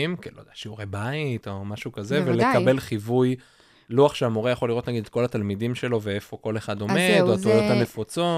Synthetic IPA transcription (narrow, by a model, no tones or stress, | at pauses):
imkelod̪aaʃiuʁebait̪o̞maʃukazevelekabe̞lχivuj | luaχʃeamoʁejaχo̞liʁo̞t̪naɡid̪et̪̚ko̞lat̪almidimʃe̞lo̞ve̞efo̞ko̞le̞χad̪o̞medoat̪ulot̪hanefut͡so̞